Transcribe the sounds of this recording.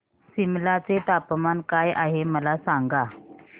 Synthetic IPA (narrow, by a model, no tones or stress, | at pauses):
simlat͡set̪apmankajaɦeməlasaŋɡa